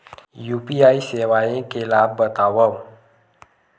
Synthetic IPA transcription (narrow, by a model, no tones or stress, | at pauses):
jupiajsewaẽkelabbət̪awəw